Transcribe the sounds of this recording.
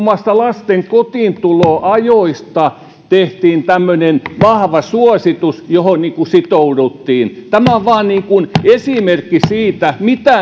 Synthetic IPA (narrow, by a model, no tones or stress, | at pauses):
mːɑst̪ɑlɑst̪eŋkot̪iːnt̪uloːʔɑjoist̪ɑ | t̪eht̪iːnt̪æmːønenʋɑhʋɑsuosit̪usjohonniːŋkusit̪oudut̪ːiːnt̪æmæoʋʋɑːnniːŋkunesimerkːisiːt̪æmit̪æ